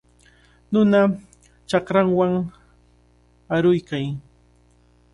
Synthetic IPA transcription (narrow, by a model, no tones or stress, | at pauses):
nʊna | t͡ʃɑkɾaŋwaŋ | aɾʊjkaj